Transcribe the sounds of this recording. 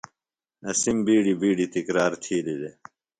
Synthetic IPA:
ɐsimbiːɖibiːɖit̪ikɾaːɾt̪ʰiːlid̪e

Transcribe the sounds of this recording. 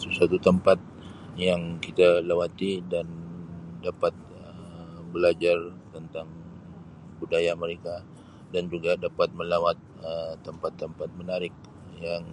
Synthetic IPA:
səsuat̪ut̪əmpat̪̚ | jaŋkit̪alewat̪idandapat̪̚ | əbəlad͡ʒart̪ənt̪aŋ | budajaməɾeka | dand͡ʒuɡadapat̪̚məlawat̪̚ət̪ːəmpat̪ːəmpat̪̚mənaɾɪk̚ | jaŋ

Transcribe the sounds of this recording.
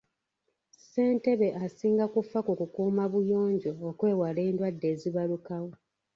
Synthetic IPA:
se̞ːnte̞βe̞ʔasiːŋɡakufakukukuːmaβujo̞ːɲɟo̞ːkwe̞ːwale̞ːndwadːe̞ːziβalukawo̞

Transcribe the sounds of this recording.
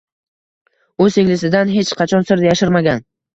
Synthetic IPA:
ɵzeŋlɪsɪd̪anɦe̞t͡ʃqʰɑt͡ʃʰɒnsɪɾd̪ajaʃɪɾmaɡʲan

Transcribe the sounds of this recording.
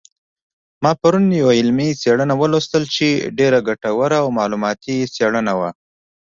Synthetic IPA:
mɑpaɾunjawaɪlmiseɽənawəlost̪əlt͡ʃeɖeɾaɡaʈawəɾaːwmɑlumɑt̪iseɭənawa

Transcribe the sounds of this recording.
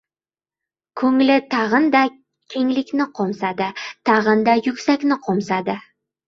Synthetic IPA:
kʰɵŋlɪt̪ʰɑʁənd̪ɑ | kʲʰeŋlɪkʲnɪqʰomsad̪ɪt̪ʰɑʁənd̪ajʊkʲsakʲnɪqʰomsad̪ɪ

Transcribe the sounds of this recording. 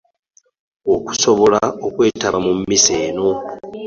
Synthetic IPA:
oku̥so̞βo̞laokwe̞ːtaβamumːise̞ːno̞

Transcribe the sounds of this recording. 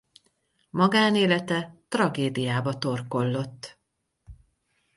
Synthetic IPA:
mɒɡaːneːlɛt̪ɛt̪rɒɡeːd̪ijaːbɒt̪o̞rko̞lːo̞t̪ː

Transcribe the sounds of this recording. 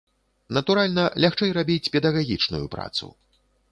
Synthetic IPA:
nɐt̪uɾalʲnɐlʲaxt͡ʂɛjrabʲit͡sʲpʲɛd̪aɣaɣʲit͡ʂnṵjṵpɾa̰t̪sṵ

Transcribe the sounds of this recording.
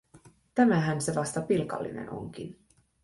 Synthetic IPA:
t̪æmæɦænse̞ʋɑst̪ɑpilkɑ̰lːḭnḛno̞̰ŋk̟in

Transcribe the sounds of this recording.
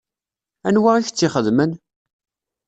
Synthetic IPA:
ænwaʁiçt͡sːɪχəðmən

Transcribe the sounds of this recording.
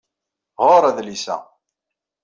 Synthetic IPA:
ʁoɾˤæðlisæ̰

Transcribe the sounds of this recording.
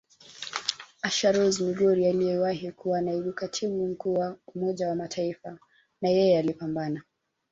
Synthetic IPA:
aʃaɾɔzimiɠɔɾialiɛwahikuwanaiɓukatʰiɓum̩kuːwaumɔʄawamatʰaifa | najɛjɛalipambana

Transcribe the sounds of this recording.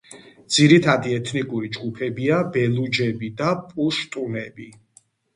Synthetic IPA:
d̪z̥iɾit̪ʰad̪iɛt̪ʰnikʼuɾid͡ʒɡupʰɛbiabɛlud͡ʒɛbid̪apʼuʃt̪ʼunɛbi

